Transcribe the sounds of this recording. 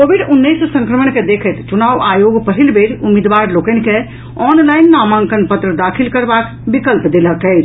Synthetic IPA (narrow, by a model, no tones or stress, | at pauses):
kobiɖunːəjssə̃ŋkɾəmənked̪ekʰət̪t͡ʃunaʋajoɡpəɦilbeɾumːid̪ʋaɾlokənke | ɔnlajnːamaŋkənpət̪ɾəd̪akʰilkəɾbak | bikəlpd̪eləkɛɪt͡ʃʰ